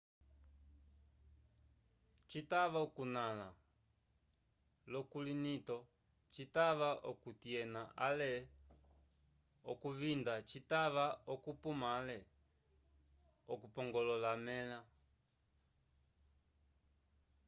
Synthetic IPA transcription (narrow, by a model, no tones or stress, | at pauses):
t͡ʃitaβaɔkunala | lɔkulinitɔ | t͡ʃitaβaʔɔkutiɛnaʔalɛ | ɔkuvindat͡ʃitaβaɔkupumalɛ | ɔkupɔŋɡɔlɔlamɛla